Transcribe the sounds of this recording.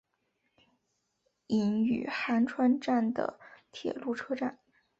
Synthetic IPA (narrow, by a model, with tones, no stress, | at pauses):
i˧˩ny̰˨˩xa˧˥nʈ͡ʂʰwa˥nʈ͡ʂa˥˩nd̪ə̰˩t̪ʰjɛ̰˨˩lu˥˩ʈ͡ʂʰɤ˥ʈ͡ʂa̰˥˩n